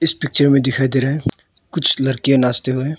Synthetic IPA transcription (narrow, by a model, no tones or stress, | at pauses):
ɪspɪk̚t͡ʃəɾmẽd̪ɪkʰaed̪eɾɐɛ | kʊt͡ʃʰlɐɾkijãnaːst̪eɦoɛ̃ː